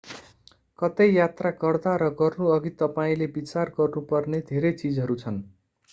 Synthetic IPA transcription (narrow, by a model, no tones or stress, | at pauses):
kʌt̪ejjat̪rakʌrd̪aɾʌɡʌrnuʌɡit̪ʌpaĩlebit͡sarɡʌrnupʌrned̪ʱeɾʌjt͡sid͡zʌɾut͡sʰʌn